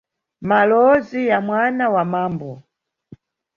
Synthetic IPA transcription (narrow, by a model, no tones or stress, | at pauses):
malɔzijamwanawamaːmbɔ